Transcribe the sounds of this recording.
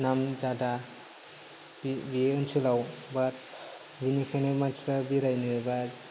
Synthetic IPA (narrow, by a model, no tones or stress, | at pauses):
namd͡ʒada | bibieɯnsɯlawbat̚ | binikʰanɯmatɾabiɾajnɯba